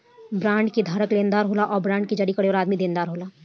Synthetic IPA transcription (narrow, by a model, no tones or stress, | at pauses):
bɾãːɳɖkid̪ʱaːɾəkleːnd̪aːɾɦoːlaʔɔːɾbɾãːɳɖ̚kid͡ʒəɽikəɽeɔːɾaːd̪mid̪ẽːnd̪aːɾɦoːlaː